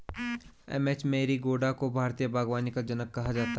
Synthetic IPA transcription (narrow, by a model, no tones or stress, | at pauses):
ɛ̰meːt͡ʃmẽːɾiɡoːɖakobʱaːɾt̪ijəbʱaːɡʋaːnikad͡ʒɐnəkːɐɦad͡ʒaːt̪a